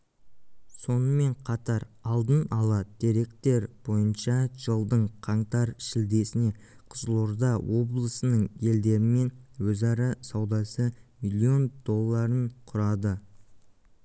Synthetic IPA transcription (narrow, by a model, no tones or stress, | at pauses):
so̞nəme̞ɴqʰɑt̪ɑɾɑlˠd̪ənɑlˠɑd̪̥eɾe̞kt̪e̞ɾb̥o̞jənʃɑʒəlˠd̪əɴqʰɑɴt̪ɑɾʃɪld̪e̞sɪne̞ | qʰʊzəlˠuɾd̪ɑwo̞blˠəsənəɴje̞ld̪e̞ɾɪme̞nwɵzɑɾɑsɑwd̪ɑsəmilʲˠio̞nd̪̥o̞lˠːɑɾəɴqʰʊɾɑd̪ə